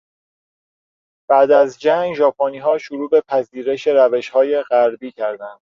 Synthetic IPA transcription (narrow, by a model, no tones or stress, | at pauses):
b̥æd̪æzd͡ʒæŋɡʒɒːpʰoːniːɦɒːʃoɾuːbe̞pʰæziːɾeʃe̞ɾæve̞ʃhɒːje̞ɢæɾbiːcʰæɾd̪ænd̪̥